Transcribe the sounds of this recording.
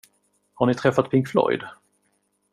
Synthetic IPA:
haɳɪt̪ʰɾɛfːat̪̚pʰɪŋkflɔ̰jd̪

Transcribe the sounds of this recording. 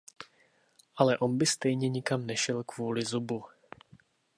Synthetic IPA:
ʔalɛʔo̞nbɪst̪ɛjɲɛɲɪkamnɛʃɛlkvuːlɪzubu

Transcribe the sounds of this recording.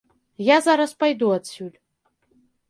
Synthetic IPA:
jazaɾɐspajd̪uad̪sʲulʲ

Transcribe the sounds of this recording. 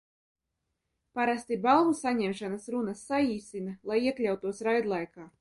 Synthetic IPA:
paɾast̪ibalˠvusaɲʲɛmʃanasɾunasːaiːsʲinalˠajiɛklʲawt̪uɔsɾajd̪lˠajkaː

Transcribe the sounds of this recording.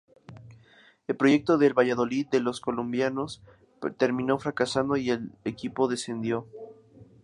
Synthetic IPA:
e̞lpɾo̞ʝe̞k̚t̪o̞ðe̞lβaʝaðo̞liðːe̞lo̞sko̞lombjano̞s | t̪e̞ɾmĩno̞fɾakasand̪o̞ie̞lekipo̞ðe̞se̞nd̪jo̞

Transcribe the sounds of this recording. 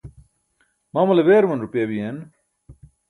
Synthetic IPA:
maːmɐleʋeːɾmɐnɾupjebien

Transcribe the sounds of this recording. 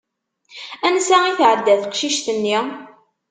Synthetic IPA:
ænsæiθʕəd̪ːæθkʃiʃt̪ənːi

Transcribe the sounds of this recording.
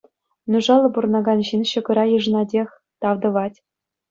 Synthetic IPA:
nuʐɑlˠːɤ̆burɤ̆nɑɡɑnʑinɕɤ̆ɡɤ̆ɾɑjɯʐ̆nɑdʲexʲ | t̪ɑʋd̪ɤ̆ʋɑtʲ

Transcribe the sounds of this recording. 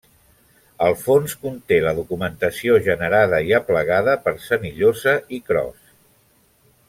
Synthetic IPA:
əlˠfonskunt̪eləðukumənt̪əsioʒənəɾað̞əiəpləɣaðəpəɾsəniʎozəikɾɔ̰s

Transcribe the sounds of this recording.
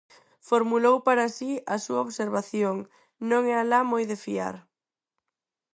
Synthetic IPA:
foɾmulowpaɾasiɐsuaoβseɾβaθjoŋ | nõŋɛalamojðefia̰ɾ

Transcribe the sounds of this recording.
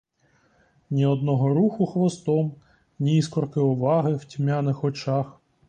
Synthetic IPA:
nʲiɔd̪nɔɦɔɾuxʊxʋɔst̪ɔm | nʲiiskɔrkɪɔʋɑɦɪwtʲmʲanɪxɔt͡ʃax

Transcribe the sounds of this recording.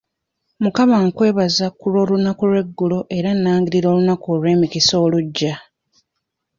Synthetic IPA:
mukaβaŋkwe̞ːβazakulo̞ːlunakuɾwe̞ɡːulo̞ʔe̞ɾanːaːŋɡiɾiɾo̞ːlunakolwe̞ːmikiso̞ːluɟːa

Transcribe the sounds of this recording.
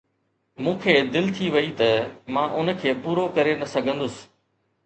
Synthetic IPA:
mũːkʰeːd̪ɪlt̪ʰiʋɐit̪ɐmãːʔʊnkʰeːpuːɾokɐɾenɐsɐɡʱə̃nd̪ʊsɪ̥̆

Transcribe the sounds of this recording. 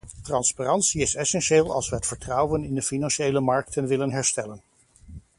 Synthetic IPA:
trɑnsparɑntsiɪsɛsɛnʃeːlˠɑ̰lˠsʋəɦətfəɹtrʌwənɪndəfinɑnʃejləmɑɹk̚tənʋɪlənɦɛɹstɛlən

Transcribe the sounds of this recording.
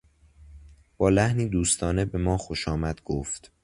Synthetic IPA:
b̥ɒːlæhniːd̪uːst̪ʰɒːne̞be̞mɒːxoʃɒːmæd̪̥ɡ̥oft̪

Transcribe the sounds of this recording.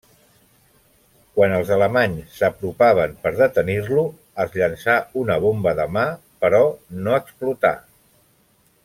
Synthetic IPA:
kwanəlˠzələmaɲssːəpɾupaβ̞əmpəɾðət̪əniɾlu | əzʎənsaunəβ̞ombəðəma | pəɾɔnoəksplut̪a̰

